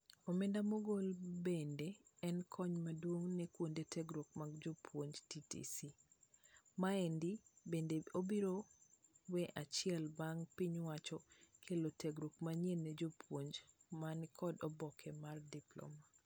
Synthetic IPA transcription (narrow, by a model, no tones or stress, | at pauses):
omendamoɡolbendeɛnkʰɔɲmadwoŋnɛkwondetʰɛɡɾok̚maɡd͡ʒopʰwoɲd͡ʒtitḭsi | maendibendeobiɾowɛʔat͡ʃɪɛlbaŋpiɲwat͡ʃɔkʰelotʰeɡɾokmaɲjenɛd͡ʒopʰwoɲd͡ʒmankʰɔdɔbɔkʰɛmardiplɔ̰ma